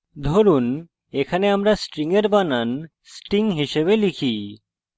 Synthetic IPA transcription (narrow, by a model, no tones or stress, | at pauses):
d̪ʱoɾuːn | ekʰaneamɾasʈɾiŋɡəɾbanan | sʈiŋɡɦiɕeʋelikʰiː